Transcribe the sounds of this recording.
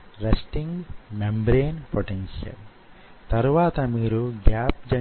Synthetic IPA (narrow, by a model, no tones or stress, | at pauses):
ɾɐsʈiŋɡnɐmbɾeːnpoʈenʃiɐ̰l | t̪ɐɾuʋaːt̪ɐmiːɾuɡjaːp̚d͡ʒɐ